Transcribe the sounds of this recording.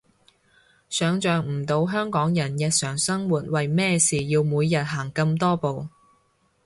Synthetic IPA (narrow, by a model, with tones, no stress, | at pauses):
sœː˨˧ŋt͡ʃœː˨ŋm̩˨˩t̪o˨˧wɦœː˥ŋkɔː˨˥ŋjɐ˨˩njɐ˨˧t̚sœː˨˩ŋsɐ˥ŋwuː˨˩t̚wɐ˨jmɛː˥siː˨jiː˧wmuː˨˧jːɐ˨t̚ɦaː˨˩ŋkɐ˧mt̪ɔː˥po˨w